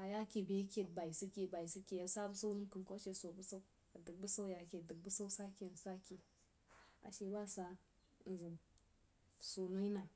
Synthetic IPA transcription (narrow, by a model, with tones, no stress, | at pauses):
a˨ja˦ke˨be˦kʲe˨d̚ba˨i˨si˦ke˨ba˨i˨si˦ke˨jsa˦bə˦sa˦u˦nu˦mki˨nko˦ʃe˨so˨bu˦sa˦u˦ | a˨dɨ˨k̚bu˦sa˦wja˨ke˨də˨k̚bu˦sa˦u˦sa˦ke˨n˨sa˦ke˨ | a̰˨ʃe˨˦ba˦sa˨ | n̩˨zɨ˨ | so˨nu˦i˦na˨